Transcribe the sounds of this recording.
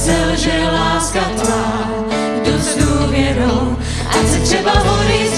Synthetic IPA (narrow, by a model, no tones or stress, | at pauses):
zɛlʒɛlaːskat̪va | dozduːvjɛɾow | ʔasɛt̪r̝̥ɛbaɦoɾis